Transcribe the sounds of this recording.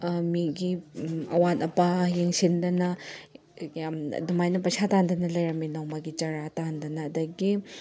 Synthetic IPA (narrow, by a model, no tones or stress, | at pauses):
miɡiɐ̰watɐpajeŋsindɐnɐ | jam̰dumajnɐpɐsatandɐnɐlɐjɾɐminawmaɡit͡ʃɐɾatandɐnɐːdɐɡi